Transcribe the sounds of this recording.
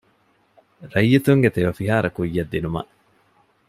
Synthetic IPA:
ɾɐjːit̪uŋɡet̪eʋɐfiɦaːɾʔɐkujːɐd̪ːinumɐ̰ʔ

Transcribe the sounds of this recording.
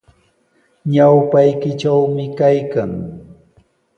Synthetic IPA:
ɲawpajkɪt͡ʃawmɪkajkaŋ

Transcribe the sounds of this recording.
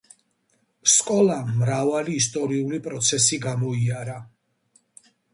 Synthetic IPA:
skʼɔlamɾavaliːs̬t̪ʼɔɾiulipʼɾɔt̪sʰɛsiɡamɔiaɾa

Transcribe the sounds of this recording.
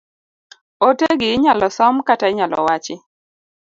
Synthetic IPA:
oteɡɪːɲalɔsɔmkataɪɲalɔ̰wat͡ʃɪ

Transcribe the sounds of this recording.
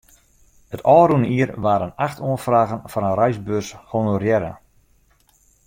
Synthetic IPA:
ətɔːɾunəiərʋaːɾənaxtʰoənfraːɣənfɔnənrœɥzbøshonorjɛɾə̰

